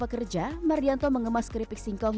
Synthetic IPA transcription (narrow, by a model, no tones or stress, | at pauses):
pəkərd͡ʒamaɾiant̪oməŋəmaskəɾipɪk̚siŋkɔŋ